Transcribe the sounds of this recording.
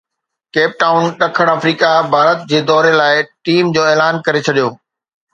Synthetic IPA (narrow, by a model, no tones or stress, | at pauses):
keːp̚ʈaːʊnɗɐkʰəɽ̃ɐfɾiːkabʱaːɾət̪̚d͡ʑeːd̪ɔːɾelaːɪʈiːmd͡ʑoːeːlaːnkɐɾet͡ɕʰɐɗijoː